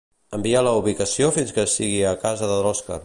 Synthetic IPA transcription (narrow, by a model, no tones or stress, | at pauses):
əmbialəuβikəsiofinskəːst̪iɣiəkazəðəðɾɔska̰